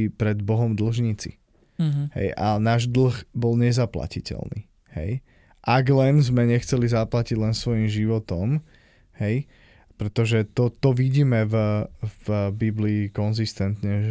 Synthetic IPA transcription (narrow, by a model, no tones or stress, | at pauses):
pɾɛd̪bɔɦɔmd̪l̩ʒɲit͡sḭ | hɛ̰janaːʒd̪l̩xbɔlɲɛzapla̰cicɛ̰lnḭː | hɛ̰j | ʔaɡlɛnzmɛɲɛxt͡sɛlizaplaciɟlɛnsʋɔjimʒiʋɔt̪ɔm | hɛj | pɾɛt̪ɔʒɛt̪ɔt̪ɔʋiɟiːmɛvvbibliːkɔnzist̪ɛnt̪ɲɛ